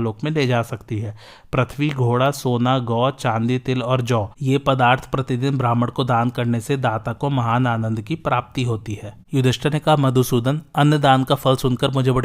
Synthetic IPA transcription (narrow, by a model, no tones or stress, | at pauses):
loːkmẽled͡ʒaːsɐkt̪iɦɛː | pɾɐt̪ʰʋiɡʱoːɽasoːnaɡɔːt͡ʃãːnd̪it̪ɪlɔːɾd͡ʒɔːjeːpɐd̪aːɾt̪ʰpɾɐt̪ɪd̪ɪnbɾaːməɽkod̪aːnkɐɾnesed̪aːt̪akomɐɦaːnaːnə̃nd̪kipɾaːp̚t̪iɦoːt̪iɦɛːjʊd̪ʱɪʃʈʰanekɐɦamɐd̪ʱusuːd̪ənɐnjəd̪aːnkafʰɐlsʊnkəɾmʊd͡ʒʱebɐɽ